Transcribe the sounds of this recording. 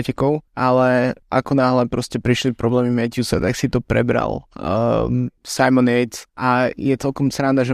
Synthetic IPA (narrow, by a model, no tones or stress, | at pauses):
ɛcɛkɔʊalɛʔakɔnaːɦlɛpɾɔscɛpɾiʃlipɾɔblɛːmimɛcusa̰t̪aksit̪ɔpɾɛ̰bɾa̰l̰ˠ | sajmɔnɛjt̪ʔajɛt͡sɛlkɔmsɾand̪aʒɛ